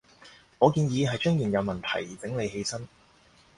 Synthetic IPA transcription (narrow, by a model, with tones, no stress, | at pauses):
ŋɔː˨˧kiː˧njiː˨˧ɦɐ˨jt͡ʃœː˥ŋjiː˨˩njɐ˨˧wmɐ˨nt̪ʰɐ̰˨˩jt͡sɪ˨˥ŋle˨˧jhe˧jsɐ˥n